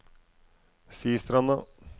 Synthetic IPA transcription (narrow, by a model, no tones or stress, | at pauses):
siːst̪ɾɑnːɑ